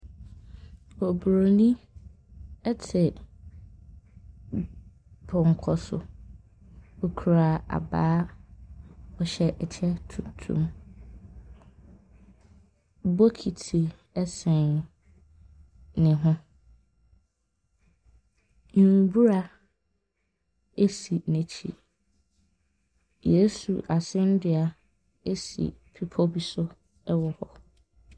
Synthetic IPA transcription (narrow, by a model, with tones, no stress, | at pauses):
o˨bɾo˨nĩ˦ | ɛ˦tʰɪ˨ | pʰʊ˨ŋ˨kʰɔ˦sʊ̰˨ | o˦kʰu˨ɾa˨a̰˨baː˦ | ɔ˨ɕɛ˦ʔɛ˨t͡ɕʰɛ˦tʰu˨tʰṵ̃˦˨m | bo˦kʰi˨tʰi˨ | ɛ˦sɛ̃˨n | nɪ̃˨ɦʊ̃˦ | n̩˨bu˦ɾa˦ | e˦si˨næ̃˨t͡ɕʰḭ˨ | je˨˦sṵ˨ʔa˨sɪ̃˦ndɪ˨a˨ | e˦sḭ˨pʰi˦pʰɔ˦bi˨sʊ˦ | ɛ˦wɔ˨hɔ˨